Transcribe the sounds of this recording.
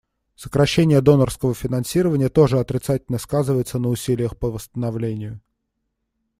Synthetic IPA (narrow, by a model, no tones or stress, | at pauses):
səkɾɐɕːenʲɪjəd̪o̞nərskəvəfʲɪnɐnsʲiɾəvənʲɪjət̪o̞ʐɨɐt̪ɾʲɪt̪satʲɪlʲnəskazɨvəjɪt̪sənəʊsʲilʲɪjəxpəvəst̪ənɐvlʲenʲɪjʊ